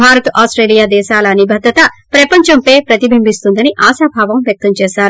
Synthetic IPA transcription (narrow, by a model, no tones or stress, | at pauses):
bʱaːɾɐt̪ʔaːsʈɾeːlijaːd̪ɛːʃaːlɐːnibʱɐd̪ɾɐt̪ɐpɾɐpɐɲt͡ʃɐmpeːpɾɐt̪ibʱimbist̪und̪ɐniʔaːʃaːbʱaːʋɐmʋjɐk̚t̪ɐmt͡ʃɛːʃaːɾu